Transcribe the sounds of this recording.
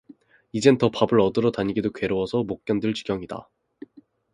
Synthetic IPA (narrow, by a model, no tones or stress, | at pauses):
id͡ʑe̞ntʌpabɯɾʌdɯɾʌtaɲiɡidokwe̞ɾowʌsʰʌmok̚k͈jʌndɯɭt͡ɕi̥ɡjʌŋida̰